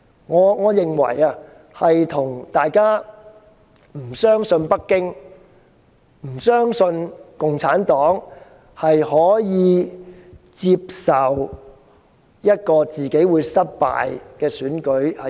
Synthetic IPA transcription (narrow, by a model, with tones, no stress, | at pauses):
ŋɔː˨˧ŋɔː˨˧jɪ˨ŋwɐ̰˨˩ja˧ | hɐ˨jt̪ʰʊ˨˩ŋt̪aː˨jkaː˥ | m̩˨˩sœː˥ŋsɵ˧npɐ˥kːɪ˥ŋ | m̩˨˩sœː˥ŋsɵ˧nkʊ˨ŋt͡sʰaː˨˥nt̪ɔː˨˥ŋ | hɐ˨jhɔː˨˥jiː˨˧ | t͡siː˧p̚sɐ˨w | jɐ˥t̚kɔː˧t͡siː˨ke˨˥jwuː˨˧jsɐ˥t̚pa̰ː˨jkɛː˧syː˨˥nkɵ˨˥ɥhɐ˨